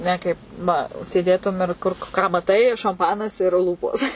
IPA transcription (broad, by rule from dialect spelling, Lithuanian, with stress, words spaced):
ˈnʲɛ kɐɪp nʊ sʲeːˈdʲeːtʊm ɪr ˈkʊr kɑː mɐˈtɐɪ ʃɐmˈpɑːnɐs ɪr ˈlˠuːpoːs